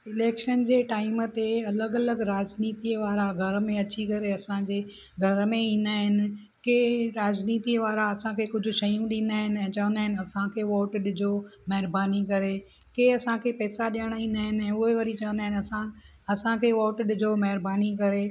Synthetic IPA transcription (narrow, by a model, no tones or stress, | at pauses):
ɪleːkʃənd͡ʑeːʈaːɪmt̪eɐləɡɐləɡɾaːzniːt̪iəʋaːɾaɡʱɐɾmẽɐt͡ɕikɐɾeɐsãd͡ʑeː | ɡʱɐɾmẽĩːnd̪aːɦɪnɪ̆ | keːɾaːd͡ʑniːt̪iːʋaːɾaɐsãkʰekʊd͡ʑʱʊ̆ʃɐijũɗĩːnd̪aːɦɪnɛ̃ːt͡ɕɐʋənd̪aːɦɪnɐsãkʰeːʋoːʈɗɪd͡ʑomɐɦɾbaːnikɐɾe | keɐsãkʰepɛːsaɗijəɽ̃aĩːn̆d̪aːɦɪnɪ̆ɛ̃ːʊɦeʋɐɾit͡ɕɐʋə̃nd̪aːɦɪnɪɐsã | ɐsãkʰeːʋoːʈɗɪd͡ʑoːmɐɦɪɾbaːnikɐɾeː